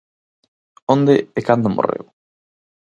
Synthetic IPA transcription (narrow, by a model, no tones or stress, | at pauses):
õnd̪eekand̪omʔo̰rḛw